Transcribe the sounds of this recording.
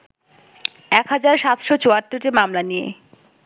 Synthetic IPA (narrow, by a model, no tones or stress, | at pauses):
ɛkɦad͡ʑaɾʃat̪ʃot͡ɕoat̪ːoʈimamlanijḛ